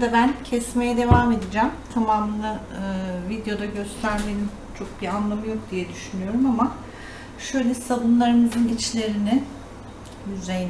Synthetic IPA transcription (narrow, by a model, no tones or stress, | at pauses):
d̪abæncʰɛsmejɛd̪e̞vaːme̞d̪id͡ʒæːmt̪ʰamaːmɯna | ɯvid̪jo̞d̪aɟø̞st̪ɾæɾmelʲim | t͡ʃʰo̞k̚bianlˠamɯjo̞k̚d̪ijɛd̪yʃynyjo̞ɾumama | ʃøjlʲɛsalˠunlˠaɾɯmɯzɯnit͡ʃlʲe̞ɾinɪ | jyzej